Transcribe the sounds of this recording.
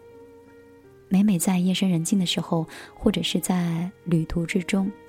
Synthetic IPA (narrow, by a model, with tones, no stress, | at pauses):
me˧˥ɪme˨˩ɪt͡sa˥˧ɪjɛ˥˩ʂə˥nɻə˧˥nt͡ɕi˥˩d̪ə˩ʂɻ̩˧˥xo˧ʊxwɔ˥˩ʈ͡ʂɤ˨˩ʂɻ̩˥˧t͡sa˥˩ɪly˨˩t̪ʰu˧˥ʈ͡ʂɻ̩˥ʈ͡ʂʊ˥ŋ